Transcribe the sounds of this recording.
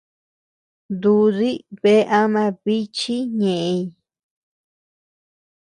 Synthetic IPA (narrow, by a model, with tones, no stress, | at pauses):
nd̪u˧ði˦βe˦ʔa˦mã˧βi˦t͡ʃi˦ɲẽ˨ʔẽ˧i˧